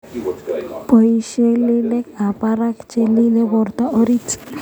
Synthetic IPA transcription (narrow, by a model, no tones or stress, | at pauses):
pojʃelilekapaɾakt͡ʃelilebɔɾt̪aʔoɾit